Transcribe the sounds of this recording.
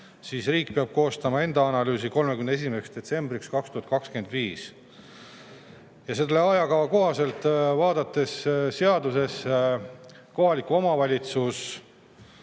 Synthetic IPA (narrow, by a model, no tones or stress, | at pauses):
siːsriːkpeɑb̥̚ko̞ːst̪ɑmɑe̞nd̪̥ɑɑnɑlyːsiko̞lmekymneesimeseksd̪̥e̞t̪se̞mbɾikskɑkst̪uhɑt̪̚kɑkskend̪̥viːs | jɑse̞lːeɑjɑkɑvɑko̞ɦɑse̞lt̪ˑvɑːd̪ɑt̪ːˑe̞sse̞ɑd̪use̞s | ko̞ɦɑlikuo̞mɑvɑlʲit̪sus